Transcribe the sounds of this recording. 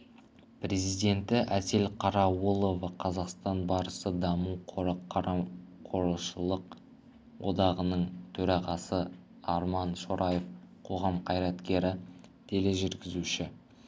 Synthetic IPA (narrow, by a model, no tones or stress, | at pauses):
pɾe̞zijd̪e̞nt̪ɪʔæt̪e̞lqʰɑɾɑwulˠovɑqʰɑzɑqst̪ɑnbɑɾəsəd̪ɑmuqʰɾqɾqʰo̞ɾlˠʃəlˠəq | wo̞̰d̪ɑʁənəɴt̪ʰɵɾɑʁɑsə | ɑɾmɑnʃo̞ɾʔɑjefqʰo̞ʁɑmqʰɑjɾɑt̪kʲe̞ɾɪt̪ʰe̞le̞ʒʏɾɡʲɪzuʃɪ